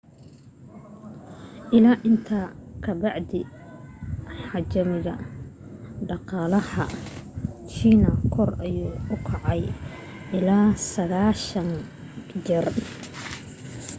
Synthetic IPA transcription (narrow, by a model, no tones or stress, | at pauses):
ʔɪlaːʔɪnt̪ʰaːkʰɐbɑʕd̪ɪ | ħɑt͡ʃɐmɪɣɐ | ɖɑqɑːlɐhɐ | t͡ʃiːnɐkʰɔrɐjuːʊkʰɑʕɑj | ʔɪlaːsɐɣaːʃɐŋ | d͡ʒɪr